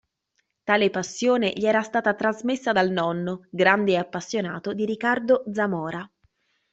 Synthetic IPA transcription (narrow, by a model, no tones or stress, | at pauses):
t̪aːlepasːjoːneʎiɛːɾast̪aːt̪at̪ɾazmesːad̪alnɔnːoɡɾand̪eːapːasːjona̰ːt̪od̪iɾikːard̪od̪zamɔːɾa